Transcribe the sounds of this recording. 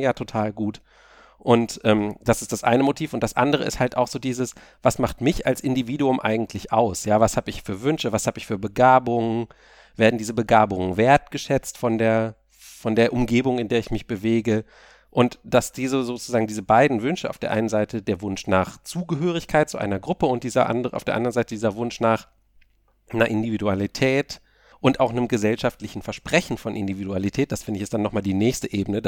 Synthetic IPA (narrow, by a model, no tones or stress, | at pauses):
jaːtʰotʰaːlɡuːt | ʔʊntʔɛːmd̥asɪ̥std̥asʔa̰ɪnəmotʰiːfʊntd̥asʔa̰ndəʁə̰ɪ̰sthaltʔa̰ʊxz̥oːdiːzəs | v̥asmaχtmɪçalsʔɪndiviːduʊmʔa̰ɪɡŋ̩tʰlɪçʔaʊsjaːvashaːbəɪçfyːɐvʏnʃəvashaːbɪçfyːɐbəɡaːbʊŋə | veːɐdn̩diːzəbəɡaːbʊŋənveːɐtɡ̥əʃɛt͡stfɔndeːɐ | fɔndeːɐʔʊmɡeːbʊŋɪndeːɐɪçmɪçb̥əveːɡə | ʔʊntd̥asd̥iːzəzoːt͡suz̥aːɡŋ̩diːzəbaɪdn̩vʏnʃəʔa̰ʊfd̥eːɐʔa̰ɪnənzaɪtʰədeːɐvʊnʃnaːχt͡suːɡəɦøːʁ̞ɪçkʰaɪt̚t͡suʔa̰ɪnɐɡʁʊpəʊnt̚d̥iːzɐʔa̰ndəʁəʔa̰ʊfdeːɐʔa̰ndɐnzaɪtədiːzɐvʊnʃnaːχ | naʔɪndividualitʰɛːt | ʔʊntaʊxnəmɡəzɛlʃaftlɪçn̩fɛɐʃpʁ̥ɛçn̩fɔnʔɪ̰ndividualitʰɛːt̚d̥asfɪndəɪçɪstd̥anːɔχmaːldiːnɛːçstəʔeːbənəd